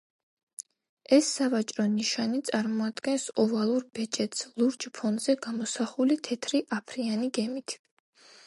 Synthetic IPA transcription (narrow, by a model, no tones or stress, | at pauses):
ɛsːavat͡ʃʼɾɔniʃanit̪sʼaɾmɔad̪ɡɛnsɔvalˠuɾbɛt͡ʃʼɛt̪slˠuɾd͡ʒpʰɔnzɛɡamɔsaχulit̪ʰɛt̪ʰɾiʔapʰɾianiɡɛmit̪ʰ